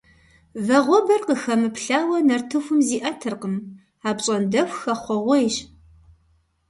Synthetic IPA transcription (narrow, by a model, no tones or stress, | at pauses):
vɐʁʷɔbɐrqəxɐmɨpɬaːwɐnɐrtʰɨxʷʊmziːʔɐtʰɨrqəm | aːpɕʼɐndɐxʷxɐχʷɔʁʷɔjɕ